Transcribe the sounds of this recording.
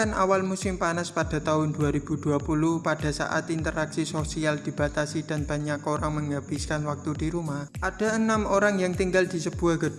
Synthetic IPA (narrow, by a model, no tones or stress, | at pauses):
anʔa̰walmusɪmpanaspad̥a̤t̪aɦʊnduaɾib̥ud̥uapuluhpad̥a̤sa̰ʔa̰t̪int̪əɾaksisosiald̪̥i̤b̥a̤t̪asid̥a̤nb̥a̤ɲakoɾaŋməŋɡab̥ɪskanwak̚t̪udiɾumahʔad̥a̤ənamoɾaŋjaŋt̪iŋɡald̪̥i̤səb̥uahɡ̥ə